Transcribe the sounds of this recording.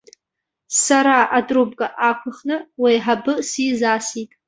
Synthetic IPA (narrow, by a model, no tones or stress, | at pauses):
saɾaʔadrub̚ɡʼaʔakʷʰaχnɨwejħabɨsizasitʼ